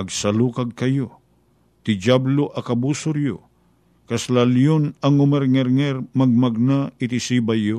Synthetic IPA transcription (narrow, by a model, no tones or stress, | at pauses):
ɐɡsalukaɡ̚kɐjo | t̪ɪd͡ʒabloʔakabusʊɾjʊ̰ | kaslaljonɐŋʊmɛɾŋɛɾŋɛɾmɐɡ̚maɡ̚naɪt̪isibajo